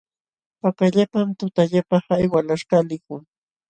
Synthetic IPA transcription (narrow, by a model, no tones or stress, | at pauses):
pakaʎapamt̪ʊt̪aʎapɑhajwalaʃɢɑlɪkʊŋ